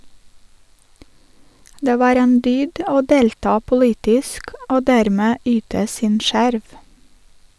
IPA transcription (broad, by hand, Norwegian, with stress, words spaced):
ˈdeː ˈʋɑːɾ ˈeːn ˈdyːd ˈoː ˈdeːltɑː pʊˈliːtɪsk ˈoː ˈdæːɾmeː ˈyːtə ˈsiːn ˈʃæɾʋ